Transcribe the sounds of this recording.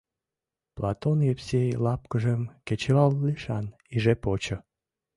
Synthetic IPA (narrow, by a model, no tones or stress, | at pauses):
plɑt̪onjepsʲejlɑpkəʒemket͡ɕeβɑlːiʃɑn | iʒepot͡ɕə̆